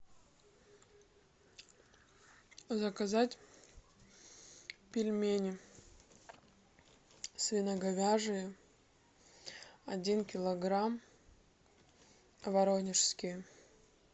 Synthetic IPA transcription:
zɐkɐzatʲ | pʲɪlʲmʲenʲɪ | svʲɪnɐɡɐɡaʐɨjə | ɐdʲinkʲɪlˠɐɡɾam | vɐɾonʲɪʂskʲɪj

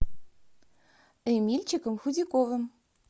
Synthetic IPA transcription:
ɘmilʲt͡ɕɘ̆kə̆mxud̪ʲikʼovɘ̆m

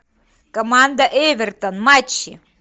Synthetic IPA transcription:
komand̪aʔevʲert̪onmat͡ɕːi

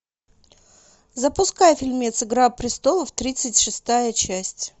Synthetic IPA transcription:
zəpʊskajəfʲɪlʲmʲet̪sɨɡɾapɾʲɪst̪o̞lˠəft̪ɾʲit̪sɨtʲʂɨst̪ajət͡ɕæsʲtʲ

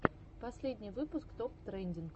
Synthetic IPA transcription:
pɐsʲlʲedʲnʲijvɨpʊskt̪opt̪ɾɛnʲdʲink

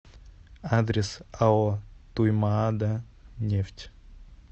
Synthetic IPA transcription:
ad̪ɾʲɪsaot̪ujmaad̪a | nʲeftʲ

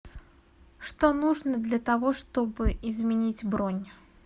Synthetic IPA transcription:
ʂt̪onuʐnəd̪lʲɐt̪ɐvoʂt̪obɨɪzmʲɪnʲitʲbɾonʲ

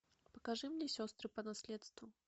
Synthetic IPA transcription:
pəkɐʐɨmnʲesʲost̪ɾɨpənasʲlʲet̪st̪vʊ

